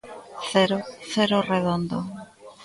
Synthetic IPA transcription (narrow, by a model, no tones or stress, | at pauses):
θeɾoθeɾoreðond̪o̰